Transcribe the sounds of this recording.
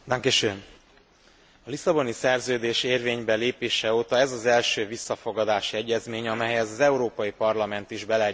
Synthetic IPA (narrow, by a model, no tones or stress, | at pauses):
d̪aŋkeʃøn | ɒlisɒbo̞nisɛrzøːd̪eːʃeːrveːɲbɛleːpeːʃɛoːt̪ɒɛzɒzɛlʃøːvisːɒfo̞ɡɒd̪aːʃiɛɟːɛzmeːɲɒmɛjɛzɒzɛuɾoːpɒjipɒrlɒmɛnt̪iʒbɛlɛ